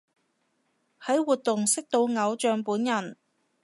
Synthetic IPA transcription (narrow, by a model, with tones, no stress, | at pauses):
hɐ˨˥jwuː˨t̚t̪ʊ˨ŋsɪ˥k̚t̪o˧wŋɐ˨˧wt͡ʃœː˨˧ŋpuː˨˥njɐ˨˩n